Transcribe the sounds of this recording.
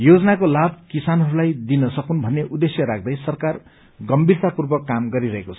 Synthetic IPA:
jod͡zʌnakolab̚kisanɦʌɾulajd̪inʌsʌkunbʱʌnːeʔud̪esjʌɾak̚ʰd̪ʌjsʌrkar | ɡʌmbirt̪apurbʌkːamɡʌɾiɾʌɦekot͡sʰʌ̥

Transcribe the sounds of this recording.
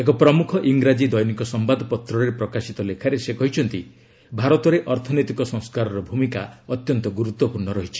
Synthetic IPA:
ekɔpɾɔmukʰɔʔiŋɡɾad͡ʒid̪ɔjnikɔsɔmbad̪ʱpɔt̪ɾɔɾepɾɔkasit̪ɔlekʰaɾesekɔɦit͡ʃʰɔnt̪i | bʱaɾɔt̪ɔɾeʔɔɾt̪ʰɔnojt̪ikɔsɔ̃ŋ̃skaɾɔɾɔbʱumikaɔt̪jɔnt̪ɔɡuɾut̪wɔpuɾɳɔɾɔɦit͡ʃʰi̥

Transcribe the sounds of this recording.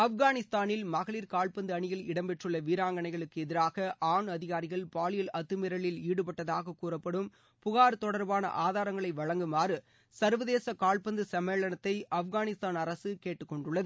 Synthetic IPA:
ɐfɣaːnɪst̪aːnɪlmɐɣɐɭiːɾkaːɭpɐnd̪ɯɐɳɪjɪlɪɽɐmbɛʈrɯɭːɐʋiːɾaːŋɡɐɳɐɪɣɐɭɯkːɯɛðɪɾaːɣɐʔaːɳɐðɪɣaːɾɪɣɐɭpaːɭɪjɐlɐt̪ːɯmɪɾɐɭɪliːɽɯpɐʈːɐðaːɣɐkːuːrɐpːɐɽɯm | pʊɣaːɾt̪ɔɽɐɾbaːnɐ̰ʔaːðaːɾɐŋɡɐɭɐɪʋɐɻɐŋɡɯmaːrɯ | sɐɾʋɐðeːsɐkaːɭpɐnd̪ɯsɐmeːɭɐnɐt̪ːɐɪʔɐfɣaːnɪst̪aːnɐɾɐsɯkeːʈːɯkːɔɳɖʊɭːɐðɯ

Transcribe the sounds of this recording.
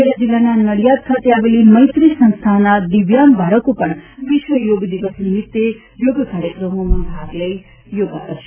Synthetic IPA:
elad͡ʒilːananəɽjad̪̚kʰat̪eaʋeliməjt̪ɾisə̃nst̪ʰanad̪iʋjambʱaɽəkopəɳʋiʃʋəjoɡd̪iʋəsnimit̪ːe | joɡkaɾjəkɾəmomãbʱaɡləj | joɡakəɾʃe

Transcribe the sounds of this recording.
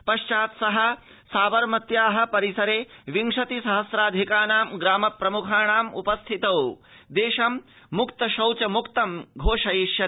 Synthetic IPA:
pɐʃt͡ʃaːt̪sɐɦɐ̆ | saːʋɐɾmɐt̪jaːɦɐ̆pɐɾisɐɾeːʋiŋʂɐt̪isɐɦɐsɾaːd̪ʱikaːnaːmɡɾaːmɐpɾɐmukʰaːɳaːmṵpɐst̪ʰit̪ɐw | d̪eːʃɐmː | ukt̪ɐʃɐwt͡ʃɐmukt̪ɐmɡʱoːʂɐjiʃjɐ

